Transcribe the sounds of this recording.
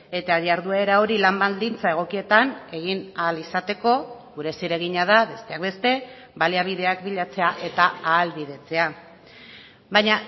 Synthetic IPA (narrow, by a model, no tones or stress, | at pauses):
e̞t̪aaðjaɾðuae̞ɾao̞ɾilambald̪int͡sae̞ɣ̞o̞kie̞t̪ane̞ɣ̞inalisat̪e̞ko̞ɣuɾe̞siɾe̞ɣiɲað̞aβe̞st̪e̞ak̚be̞st̪e̞ | baliaβ̞iðe̞akbiʎat͡se̞aʔe̞t̪aaːlβið̞e̞t͡se̞a | bajɲa